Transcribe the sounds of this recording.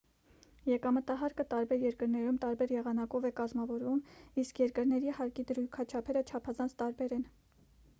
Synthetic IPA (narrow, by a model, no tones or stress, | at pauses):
jɛkɑmət̪ɑɦɑɾkət̪ɑɾbɛɾjɛɾkəɾnɛɾumt̪ɑɾbɛɾjɛʁɑnɑkɔvɛkɑzmɑvɔɾvumiskʰjɛɾkəɾnɛɾihɑɾkid̪əɾujkʰɑt͡ʃʰɑpʰɛɾət͡ʃʰɑpʰɑzɑnt͡sʰt̪ɑɾbɛɾɛn